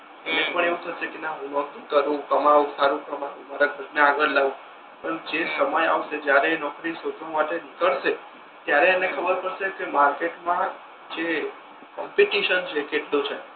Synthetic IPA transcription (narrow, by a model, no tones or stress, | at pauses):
enepəɳeʋũt̪ʰəʃekenaɦũnɔt̪ʰũkəɾũkəmaʋũsaɾũkəmaũmaɾaɡʱəɾnəaɡəɾlaʋũ | pəɳd͡ʒesəməja̰ʋʃed͡ʒjaɾenɔkɾisod͡ʒ̪ʰõmaʈenikəɽʃe | t̪jaɾeːnekʰəbəɾpəɾʃekemaɾkeʈmã | d͡ʒe | kɔmpeʈiʃənt͡ʃʰekeʈlot͡ʃʰe